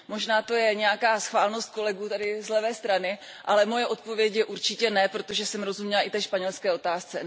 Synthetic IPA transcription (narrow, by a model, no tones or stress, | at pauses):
mo̞ʒnaːt̪o̞jɛɲɛjakaːsxvaːlno̞st̪̚ko̞lɛɡuːt̪adɪzlɛvɛːst̪ɾanɪ | ʔalɛmo̞jɛʔo̞t̪̚po̞vjɛcjɛʔuɾt͡ʃɪcɛnɛpɾo̞t̪o̞ʒɛsɛmɾo̞zumɲɛlaɪt̪ɛːʃpaɲɛlskɛːo̞t̪aːst͡sɛ